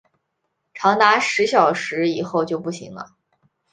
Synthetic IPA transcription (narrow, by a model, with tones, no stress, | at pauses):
ʈ͡ʂʰɑ˧˥ŋt̪a˧˥ʂɻ̩˧˥ɕjɑ˨˩ʊʂɻ̩˧˥i˨˩xo˥˧ʊt͡ɕjo˥˧ʊpu˥˩ɕḭ˧˥ŋlə̰˧